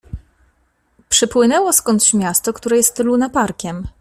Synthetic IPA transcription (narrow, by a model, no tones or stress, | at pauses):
pʂɘpwɘnɛwɔskɔnt̪t͡ɕmʲjast̪ɔkt̪uɾɛjɛst̪lunapaɾkʲɛm